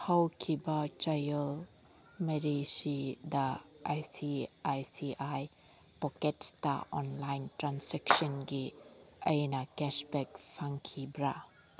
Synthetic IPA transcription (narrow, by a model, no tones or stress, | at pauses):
hawkʰibat͡ʃajəl | meɾisidaʔajsiajsiʔaj | pɔkɛt̚sta̰ɔ̰nlajntɾansɛk̚sɔnɡiəjnakɛsbɛk̚fʰaŋkʰibɾa